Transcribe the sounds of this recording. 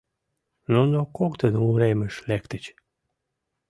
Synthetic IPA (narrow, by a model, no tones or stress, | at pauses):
nonokokt̪ənuɾeməʃlekt̪ət͡ɕ